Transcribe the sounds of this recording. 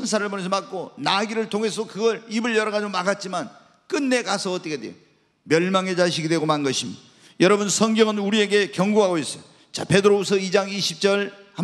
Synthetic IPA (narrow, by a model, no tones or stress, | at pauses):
ʌns̬ʰaɾɯɭpones̬ʰʌmak͈onaɡiɾɯɭtʰoŋɦe̞sʰʌokɯɡʌɾibɯɭjʌɾʌɣad͡ʑiɡomaɡat̚t͡ɕ͈iman | k͈ɯnːe̞kasʰʌːt͈ʌkedwḛjo | mjʌɭmaŋe̞d͡ʑaɕʰiɡidweɡomannɡʌɕʰimida | jʌɾʌbunsʰʌŋɡjʌŋɯnuɾie̞ɡe̞kjʌŋɡuɦaɡois͈ʌjo | t͡ɕa̰pe̞dɯɾobusʰʌid͡ʑaŋiɕʰip̚t͡ɕ͈ʌɭham